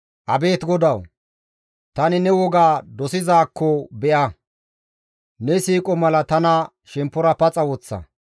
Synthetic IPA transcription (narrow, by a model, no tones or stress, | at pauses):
ʔɐbe̞ːt̪ɡɔd̪ɐw | t̪ɐnɪnɛwɔɡaːd̪ɔsɪzaːkʰːɔbɛʔɐ | nɛsiːkʼɔmɐlɐt̪ɐnɐ | ʃɛmpːʊɾɐpɐt͡sʼɐwɔt͡sːɐ̰